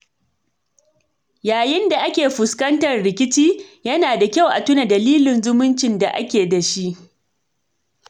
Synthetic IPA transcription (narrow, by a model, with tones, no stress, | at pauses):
jaː˨jɪ˦nda˨ʔa˦kʲeː˨ɸʊ˨skɐ˦ntɐ˨rɽɪ˨kʲɪ˦t͡ʃiː˦jɐ˦naː˨da˨kʲa˦˨wʔa̰˨tʊ˦na˨dɐ˨liː˦lɪ˨nzʊ˦mʊ˦nt͡ʃɪ˨nda˨ʔa̰˦kʲeː˨da˨ʃi˦ʔ